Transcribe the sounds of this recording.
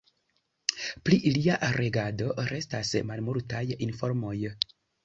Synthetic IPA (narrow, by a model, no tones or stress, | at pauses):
pliʔiliaʔɾeɡado̞ɾe̞stasmalmuɾtajinfo̞ɾmo̞j